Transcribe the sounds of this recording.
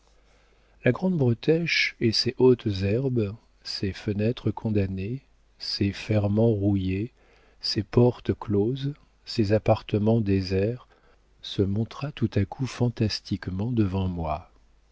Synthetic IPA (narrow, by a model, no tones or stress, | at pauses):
laɡʁɑ̃d̪bʁət̪ɛʃeseʔot̪zɛʁb | sefənɛt̪χəkʰɔ̃d̪ane | sefɛʁmɑ̃ʁuje | sepɔʁt̪kloz | sezapaʁt̪əmɑ̃d̪ezɛʁ | səmɔ̃t̪χat̪ut̪akʰufɑ̃t̪ast̪ikmɑ̃d̪əvɑ̃mwa